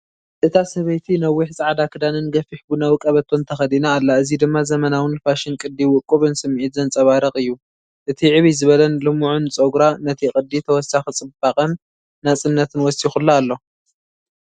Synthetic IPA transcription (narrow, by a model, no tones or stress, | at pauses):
ʔɨt̪ʰasɐβɐjt̪ʰinɐwːiħsʼaʕd̪akʰɨd̪anɨnɡɐfiħbunawɨkʼɐβɐt̪ʰːont̪ʰɐxɐd̪inaːlːaɨzid̪ɨmːazɐmɐnawɨnfaʃɪnkʼɨd̪iwʊkʼuβɨnsɨmʕit̪zɐnt͡sʼɐβaɾɐkʼɨjːu | ʔɨt̪ʰiʕɨβizɨβɐlɐnlɨmuʕunt͡sʼoɡɾanɐt̪ʰixʼɨd̪ːit̪ʰɐwɔsaxit͡sʼɨbaχʼɐnː | at͡sʼɨnːɐt̪ʰɨnwɔsixulːaalːo̞